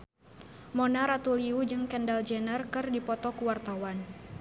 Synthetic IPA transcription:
mɔnaɾat̪uliud͡ʒɨŋkɛndald͡ʒɛnərkɨrdipɔt̪ɔkuwart̪awan

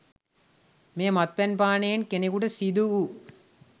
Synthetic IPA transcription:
meːmɐt̪̚pɐnpaːneːnkenekuɽɐsid̪uu

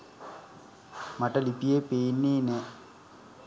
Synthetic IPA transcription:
mɐʈɐlipijepeːnːeːne

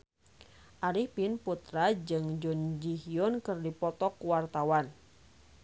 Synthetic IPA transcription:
ʔaɾihpinput̪ɾad͡ʒɨŋd͡ʒɔnd͡ʒiɦiɔnkɨrdipɔt̪ɔkuwart̪awan

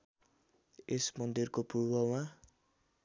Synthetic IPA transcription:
esmʌnd̪irkopuɾbʌma

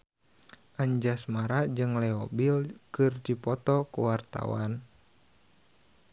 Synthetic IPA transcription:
ʔaɲd͡ʒasmaɾad͡ʒɨŋlɛɔbilkɨrdipɔt̪ɔkuwart̪a̰wa̰n

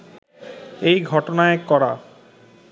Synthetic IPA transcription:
ejɡʱɔʈonaekɔɾa̰

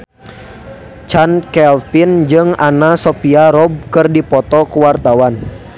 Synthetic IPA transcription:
t͡ʃankɛlfind͡ʒɨŋanasɔpiaɾɔb̚kɨrdipɔt̪ɔkuwart̪awan

